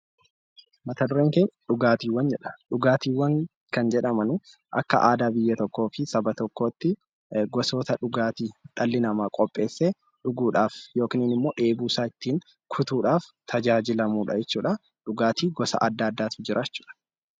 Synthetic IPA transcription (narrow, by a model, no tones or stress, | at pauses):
mɐt̪ɐd̪ʊɾeːŋkenᶑʊɡaːt̪iːwːɐnd͡ʒɛᶑɐ̥ᶑʊɡaːt̪iːwɐŋ | kɐnd͡ʒɛᶑɐmɐnʊ | ʔɐ̰kːɐʔaːd̪aːbɪjːɐt̪ɔkːo̞ːfɪsɐbɐt̪ɔkːo̞ːt̪ːɪ | ɡɔso̞ːt̪ɐᶑʊɡaːt̪iːt̪ʼɐlːɪnɐmaːkʼɔpʼːe̞ːsːe | ᶑʊɡuːᶑaːfjo̞ːkɪniːnɪmːo̞ːᶑeːbuːsaːɪt̪ːiːn | kʰʊt̪uːᶑaːft̪ʰɐd͡ʒaːd͡ʒɪlɐmuːᶑɐ̰d͡ʒɛt͡ʃːuːᶑɐ | ᶑʊɡaːt̪iːɡɔsɐ̰ʔɐd̪ːaːd̪ːaːt̪ʊd͡ʒɪɾʔaːt͡ʃːu̥ːᶑɐ̥